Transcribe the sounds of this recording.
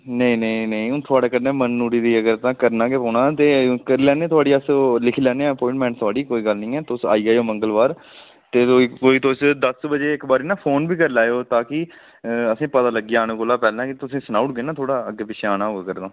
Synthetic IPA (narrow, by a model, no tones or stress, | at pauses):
nəĩːnə̃nəĩːʊt̪ʰʊaːɽeːkəɾnẽːmənːuːɾiːd̪iːəɡəɾt̪ãːkəɾnaːkeːpɔːɳãːt̪eːkəɾilɛːnẽːt̪ʰʊaːɽiːəslɪkʰlɛːneːɛːəpɔ̃ːɪ̃ɳʈmɛ̃ːɳʈt̪ʰʊaːɽiːkoːiːɡəlnĩːɛːt̪ʊsa̰ːiːaːjoːməŋɡəlʋaːɾ | t̪eːt̪oːikoːiːt̪ʊsd̪əsbəd͡ʒeːɪkbaːɾiːnãːpʰoːnbiːkəɾlaːjoːt̪ãːkɪ | əsĩːpət̪aːləɡiːaːñːkoːlaːpɛːlãːkɪt̪ʊsĩːsnaːʊʈ̚ɡeːnãːt̪ʰoːɽaːəɡeːpɪt͡ʃʰeaːnaːɦoːɡaːkəɾd̪ãː